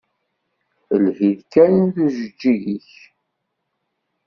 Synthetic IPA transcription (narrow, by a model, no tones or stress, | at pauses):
əlhiðkænθuʒəd͡ʒːiʝiç